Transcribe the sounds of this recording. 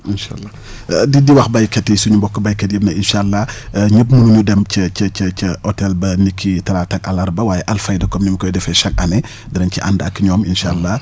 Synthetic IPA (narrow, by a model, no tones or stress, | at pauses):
inʃa̰lːɐ | didiwɐxbɐjkɛtːɛjsuɲumbɔkːɔbɐjkɛt̚jəb̚nɐinʃaːlːɐɲəpmunuɲudɛmt͡ʃəcət͡ʃət͡ʃəɔtɛlbɐnikʰːitɐɾaːtɐkɐlɐɾbɐwaːjɛʔɐlfɐjdɐkɔmnimikɔjdɛfɛʃɐk̚ɐ̰nɛ | dɾɐnciʔa̰ndɐkːiɲɔːminʃalːɐ